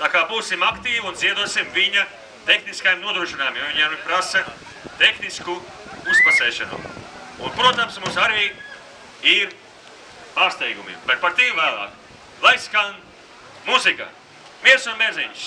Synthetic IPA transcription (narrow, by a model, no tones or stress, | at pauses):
t̪aːkaːbuːsimakt̪iːvunziɛd̪uɔsimviɲɐ | t̪exniskajmnuɔd̪ɾuːʃinaːjumimviɲaɾipɾasɐ | t̪exnisku | uspasɛːʃanṵunpɾuɔt̪amsmumsaɾiː | iɾ | paːɾst̪ɛjɡumḭmbet̪̚paɾt̪imvæːlˠa̰ːk | lˠajskaln | muzika̰ | miɛɾsunmeɾziɲs